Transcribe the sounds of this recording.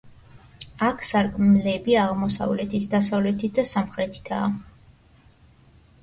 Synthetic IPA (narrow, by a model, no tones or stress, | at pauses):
akʰsaɾkʼmlɛbiaʁmɔsa̰vlɛt̪ʰit̪ʰd̪asavlɛt̪ʰit̪̚ʰd̪asamχɾɛt̪ʰi̥t̪ʰa̰ː